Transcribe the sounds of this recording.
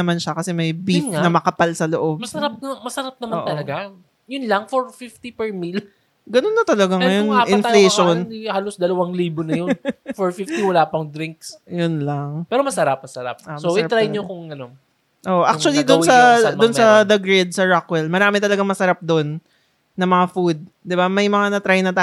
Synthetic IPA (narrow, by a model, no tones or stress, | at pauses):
ɐmanʃɐkɐsɛmɐjbifnɐmɐkɐpalsɐloʔo̞b̚mɐsɐɾap̚nɐmɐsɐɾap̚nɐmaʔ̪ɐlɐɡa | jʊnlɐŋfɔɹfift̪ipɛɹmil | ɡɐnonːɐt̪ɐlɐɡaŋɐjonʔɪnfleʃonhaːlosd̪ɐlɐwaŋliːbonɐjofɔɹfift̪iwɐlaːpɐŋd̪ɾiŋk̚sjʊnlɐŋpɛːɾomɐsɐɾap̚mɐsɐɾa̰p̚omsoɐʔɪat̪ɾajɲokʊŋɡɐno | ʔoːʔoʔak̚t͡ʃʊɐlid̪ʊnsɐd̪ʊnsɐd̪ɐɡɹɛd̪̚sɐɹakwɛlmɐɾaːmɪt̪ɐlɐɡaŋmɐsɐɾap̚d̪onː | ɐmɐŋafud̪̚ | d̪ɪbamɐjmɐŋanɐt̪ɾajnɐt̪a